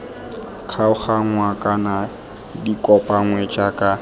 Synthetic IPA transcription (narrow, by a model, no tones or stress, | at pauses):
kʰaʊχaŋwakʼana | dikʼɔpʼaŋwɛt͡ʃʼakʼa